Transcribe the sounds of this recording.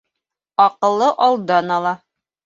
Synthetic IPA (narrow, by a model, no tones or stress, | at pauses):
ɒqɤ̆lˠːɤʔɑlˠd̪ɑnɑlˠɑ